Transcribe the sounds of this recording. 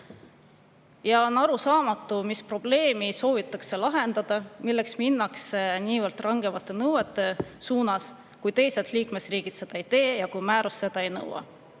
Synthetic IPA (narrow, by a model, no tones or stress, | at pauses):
jɑonɑɾusɑːmɑt̪ːˑumispro̞b̥le̞ːmiso̞ːvit̪ːˑɑkse̞lɑɦe̞nd̪̥ɑd̪̥ɑmilːeksminːɑkseniːvɤrt̪ˑrɑŋɡ̥e̞vɑt̪ːˑe̞nɤwe̞t̪ˑːe̞suːnɑs | kujt̪e̞jset̪liːkme̞sriːɡ̥id̪̥se̞d̪̥ɑejt̪e̞ːjɑkujmæːɾusːe̞d̪̥ɑe̞jnɤ̰wɑ̰